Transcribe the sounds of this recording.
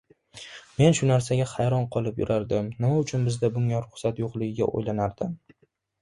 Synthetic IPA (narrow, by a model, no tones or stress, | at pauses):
me̞nʃʊnaɾsaɡʲaχajɾɒnqʰɒlˠɪpjʊ̰ɾʔaɾd̪ɪmnɪmaʊt͡ʃʰʊnbɪzd̪abʊŋaɾʊχsat̪joqlˠɪɡʲɪɡʲa̰ʔo̰jlanaɾd̪̥ɪm